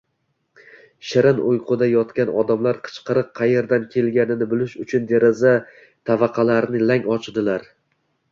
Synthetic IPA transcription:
ʃɪɾɪnʊjqʰʊd̪ajɒt̪kʲanɒd̪amlaɾqʰɨ̥t͡ʃqʰɨɾɨqqʰːɑje̞ɾd̪ankʲʰe̞lɡʲanɪnɪbɪlɪʃʊt͡ʃʰʊnd̪e̞ɾɪza | t̪ʰavaqʰɑlaɾnɪlaŋɒt͡ʃʰd̪ɪlaɾ

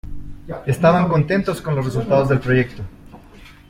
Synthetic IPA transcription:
e̞st̪aβaŋko̞nt̪e̞nt̪o̞sko̞nlosres̬ult̪aðo̞zðelpɾo̞ʝe̞k̚t̪o̞

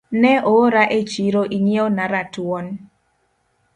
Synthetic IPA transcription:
nɛʔoɾaʔet͡ʃiɾoʔiŋionaɾatwɔn

